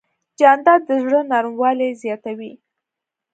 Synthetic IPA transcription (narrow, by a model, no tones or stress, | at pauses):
d͡ʒɑnd̪ɑəzɽənɑɾmwɑlezjɑt̪awi